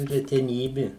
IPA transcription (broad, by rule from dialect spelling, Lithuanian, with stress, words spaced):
rʲɛtʲɛˈnʲiːbʲɪ